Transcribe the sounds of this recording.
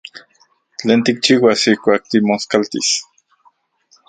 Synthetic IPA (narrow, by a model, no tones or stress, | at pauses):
t͡ɬeːnt̪ik̚t͡ʃiːwasihkʷaːk̚t̪imoskalt̪ḭs